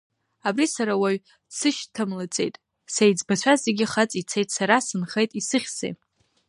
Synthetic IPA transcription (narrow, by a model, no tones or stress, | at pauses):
abrisaɾawaɥ | sɨʃtʰamlat͡sʼe̞jtʼ | sejd͡zbat͡ɕʷʰazeɡʲiχat͡sʼit͡sʰejtʼsaɾasɨnχejtʼisɨχʲsḛj